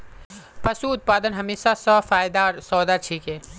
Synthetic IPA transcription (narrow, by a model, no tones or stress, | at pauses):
pɐsuʊt̪̚paːd̪ənɦɐmeːʃasɔfaːjd̪aːɾsɔːd̪at͡ʃʰiːkẽː